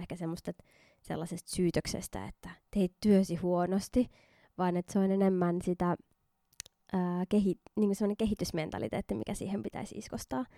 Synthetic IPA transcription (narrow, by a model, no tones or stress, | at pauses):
ehkæsemːost̪et̪ | sḛlːɑsest̪syːt̪øksḛst̪æ̰ḛt̪ːæt̪eit̪t̪yøsihuonost̪i | ʋɑːnet̪seonenemːænsit̪æ | ʔəːkeɦitniːŋkunsemːŏneŋkeɦit̪ysment̪ɑ̰lḭt̪ḛːt̪ːimḭkæsḭːhempit̪æ̰isḭskost̪ɑː